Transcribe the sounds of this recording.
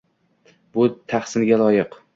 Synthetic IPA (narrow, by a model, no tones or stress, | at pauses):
bʊt̪ʰaχsɪnɡʲalˠɒjɪq